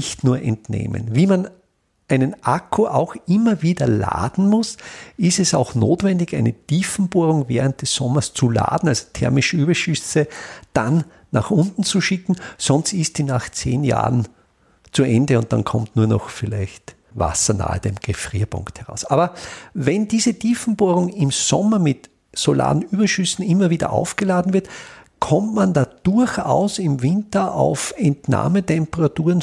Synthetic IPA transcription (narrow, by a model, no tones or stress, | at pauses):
ɪçtnuːɐʔɛntnḛːmə̰nviːman | ʔæɪnənʔakʰoʔaʊxɪmɐviːdɐla̰ːdn̩mʊsɪstɛsaʊxnoːtv̥ɛ̃ndɪçæɪnətiːfn̩b̥oːʁʊŋvɛːʁ̞ənt̚d̥ɛsːɔmɐst͡sula̰ːd̥n̩alzo̥tʰɛɐmɪʃəyːbɐʃʏsəd̥anː | aχʊ̃ntn̩t͡suʃɪkn̩sɔnstɪstsiːnaχt͡seːnja̰ːʁn | t͡suɛ̃ndəʊ̃nt̚d̥a̰nkʰɔmtnuːɐnɔ̰xfɪlæ̰ɪçt | va̰sɐna̰ːə̰d̥emɡ̥efʁiːɐpʰʊ̰̃ŋkthɛʁa̰ʊsʔaːbɐvɛndiːzətʰiːfn̩boːɐʁʊŋɪmsɔmɐmɪt | sola̰ːn̩yːbɐʃʏsn̩ɪmːɐviːdɐ̰ʔa̰ʊfɡ̥əlaːdn̩vɪɐtkʰɔmtmandaːd̥ʊɐça̰ʊsɪmvɪ̃ntɐʔaʊfɛntna̰ːmətɛ̃mpəʁatuːɐʁən